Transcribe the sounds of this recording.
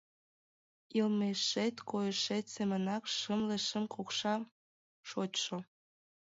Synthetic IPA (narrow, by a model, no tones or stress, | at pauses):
ilmeʃet̪kojəʃet̪semənɑkʃəmleʃə̆mkokʃɑ | ʃotʃo